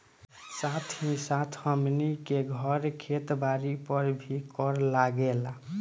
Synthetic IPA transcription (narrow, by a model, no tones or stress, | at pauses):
sat̪ʰɦĩsat̪ʰhəmnikeɡʱʌɾkʰet̪baɾipəɾbʱikɔɾlaɡela